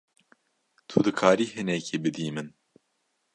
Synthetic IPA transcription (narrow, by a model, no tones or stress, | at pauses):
t̪ʰud̪ɨkʰaːɾiːɦɨnɛkʰiːbɨd̪iːmɨn